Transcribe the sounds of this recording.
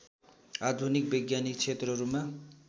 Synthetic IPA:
ad̪ʱunik̚beɡjanikt͡sʰet̪ɾʌɾuma

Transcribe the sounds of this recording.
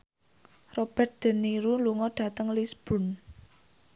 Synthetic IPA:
rob̥ɛrt̪̚d̪̥ə̤nːiɾuluŋɔɖ̥ä̤t̪əŋlisb̥ʊ̤n

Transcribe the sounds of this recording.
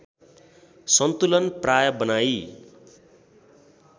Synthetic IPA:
sʌnt̪ulʌnprajʌbʌnaj

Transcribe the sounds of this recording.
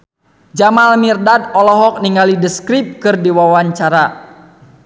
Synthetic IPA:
d͡ʒamalmirdadɔlɔɦɔk̚niŋɡalidəskɾip̚kɨrdiwawaɲt͡ʃaɾa

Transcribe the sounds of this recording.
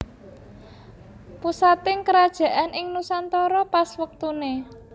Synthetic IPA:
pusat̪ɪŋkəɾad̥ʒ̥ä̤ʔanʔɪŋnusant̪ɔɾɔpaswək̚t̪une

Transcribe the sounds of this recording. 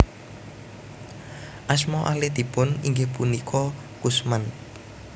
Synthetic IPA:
ʔasmɔʔahled̪̥i̤pʊniŋɡepunikʰɔ | kusman

